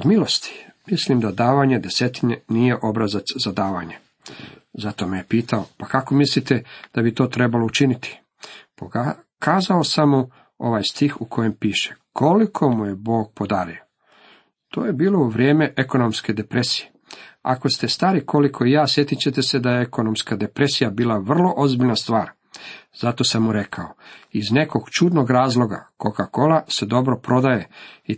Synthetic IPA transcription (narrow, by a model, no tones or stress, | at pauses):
od̪milˠo̞st̪i̥mislimd̪ad̪aːʋaɲed̪e̞se̞t̪iɲenije̞ʔo̞bɾazat̪szad̪aːʋaɲe | zat̪o̞mejepiːt̪aopakako̞mislit̪ed̪̥abit̪o̞ːt̪ɾe̞balo̞ut͡ʃinit̪i̥ | poa | kaːzaosamu | o̞̰ʋaːjst̪ixukʰo̞je̞mpiːʃe̥kʰo̞likʰo̞muje̞bo̞ːɡ̚po̞d̪aːɾio | t̪o̞ːjebiːlo̞uʋɾje̞ːme̞ʔeko̞nomske̞d̪e̞pɾesije | a̰ko̞st̪e̞st̪aːɾikʰo̞likʰo̞ijaːsje̞t̪it͡ɕe̞t̪e̞se̞d̪ajeeko̞nomskad̪e̞pɾe̞sijabiːlaʋr̩lˠo̞ʔozbiʎnast̪ʋaːɾ | z̥at̪o̞samːuɾe̞kʰaoizne̞ko̞ɡ̥t͡ʃuːd̪no̞ɡɾaːzlˠo̞ɡa̰kokako̞lase̞d̪o̞bɾo̞pɾo̞d̪aje̞i